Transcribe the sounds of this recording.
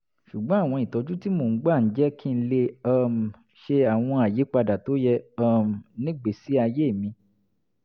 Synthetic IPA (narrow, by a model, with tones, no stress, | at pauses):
ʃu˨ɡ͡bɔ̃˨˦a˦˨w̃ɔ̃˧i˨tɔ˨˧d͡ʒu˦ti˦mo˦˨˦ɡ͡ba˦˨n̩˦d͡ʒɛ˦kʰi˦n̩˦le˧ɔ˦˨m̩˨ | ʃe˧a˨w̃ɔ̃˧a˨je˨˦k͡pa˧da˨to˨˦jɛ˧ɔ˦m˨nĩ˦ɡ͡be˨si˨˦a˧je˦˨mĩ˧